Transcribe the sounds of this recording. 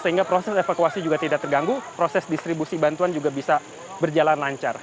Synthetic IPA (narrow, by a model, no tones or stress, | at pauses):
səɦiŋɡapɾosɛsefakuasid͡ʒuɡat̪idak̚t̪ərɡaŋɡupɾosɛsdist̪ɾibusibant̪uand͡ʒuɡabisa | bərd͡ʒalanlaɲt͡ʃar